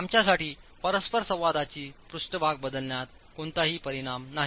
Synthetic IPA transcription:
amt͡ɕjasaʈiː | pəɾəspəɾsə̃w̃ʋad̪at͡ɕiːpɾuʂʈəbʱaɡ̚bəd̪əlnjat̪̚ | koɳt̪aɦiːpəɾiɽ̃amnaɦi

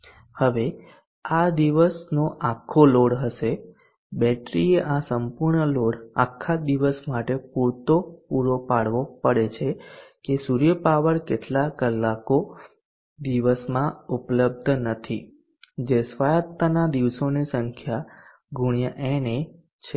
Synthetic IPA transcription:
həʋe | ad̪iʋəsnoʔakʰːoloɽɦəʃe | bɛʈɾieʔasəmpuɾɳəloɽa̰kʰːad̪iʋəsmaʈepuɾt̪opuɾopaɽʋopəɽet͡ʃʰekesuɾjəpaʋəɾkeʈlakəlːako | d̪iʋəsmãupləb̚d̪ʱnət̪ʰi | d͡ʒesʋajət̪ːanad̪iʋsonisə̃ŋkʰja | ɡʱuɽ̃jəʔene | t͡ʃʰe

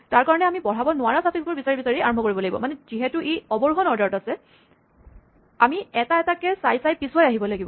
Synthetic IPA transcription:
taɹkaɹɔnɛamibɔɹ̤abɔnʊaɹasafʰiksbɔɹbisaɹibisaɹiaɹɔmbʱɔkoɹibɔlaɡibɔ̰manɛziɦɛtʊʔeɔbɔɹuɦɔnɔɹdɔɹtasɛ | amiɛtaɛtakɛsajsajpiswajaɦibɔlaɡibɔ

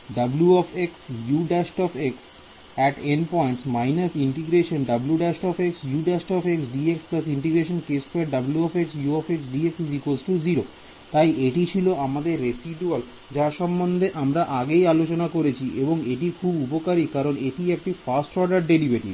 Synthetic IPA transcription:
ɖɐbljuɔfeksjuɖɛʃʈɔfeks | ɛʈenpɔjɳʈsmajnasiɳʈiɡɾeʃonɖɐbljuɖaʃʈɔfeksjuɖɛʃʈɔfeksɖieksplɐsiɳʈiɡɾeʃ̬onkespeʈ̚ɖɐbljuɔfeksjuɔfeksɖieksd͡ʑikosʈud͡ʑiɾo | t̪ajʔeʈit͡ɕʰiloamad̪eɾːesiɖual | d͡ʑaʃɔmbond̪ʱeʔamɾaʔaɡejalot͡ɕonakoɾet͡ɕʰiʔeboŋeʈikʰubupokaɾikaɾoneʈiek̚ʈifasʈɔɾɖaɾɖeɾibʱeʈḭ

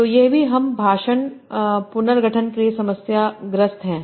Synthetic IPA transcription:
t̪oːjeɦbʱiɦɐmbʱaːʃəɳpʊnəɾɡɐʈʰənkeliesɐməsjaɡɾəst̪ɦɛ̃ː

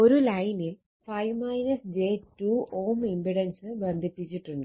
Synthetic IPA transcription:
o̞ɾulɐjnil | fɐjʋmɐjnɐsd͡ʑe̞ːtuːoːmimbiɽɐnsɨbend̪ʱipːit͡ɕːiʈːuɳɖɨ

